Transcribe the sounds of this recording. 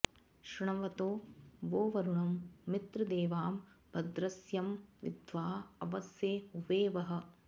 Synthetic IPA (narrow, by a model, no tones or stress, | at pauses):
ʃɾɪɳɐʋɐt̪oːʋoːʋɐɾuɳɐmːit̪ɾɐd̪eːʋaːm | bʱɐd̪ɾɐsjɐmʋḭd̪ʱʋaːɐʋɐsjeːuʋeːʋɐɦɐ̆